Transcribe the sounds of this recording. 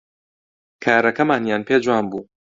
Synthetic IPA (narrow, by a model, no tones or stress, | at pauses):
kʰaːɾɐkɐmaːnjaːnpʰeːd͡ʒwaːnbuː